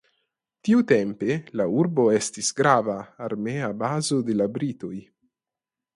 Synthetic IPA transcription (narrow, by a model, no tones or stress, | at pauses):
t̪iut̪ɛmpelauɾboɛst̪isɡɾaːvaːrmeabaːzod̪elabɾit̪oj